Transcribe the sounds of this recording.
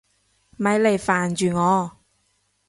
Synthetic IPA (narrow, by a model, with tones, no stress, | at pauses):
mɐ˨˧˥jle˨˩jfaː˨˩nt͡ʃyː˨ŋɔː˨˧